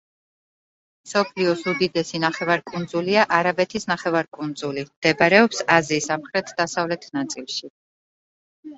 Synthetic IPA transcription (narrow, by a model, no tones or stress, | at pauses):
msɔpʰliɔsud̪id̪ɛsinaχɛvaɾkʼund̪zuliaʔaɾabɛt̪ʰisnaχɛvaɾkʼund̪zulimd̪̥ɛbaɾɛɔpsaziːsamχɾɛt̪ʰd̪asavlɛt̪ʰnat̪sʼilˠʃi